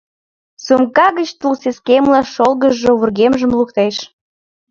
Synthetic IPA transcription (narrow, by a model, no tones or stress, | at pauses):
sumkɑɣət͡ɕt̪ulseskemlɑʃolɣəʒoβurɣemʒə̆mlukt̪eʃ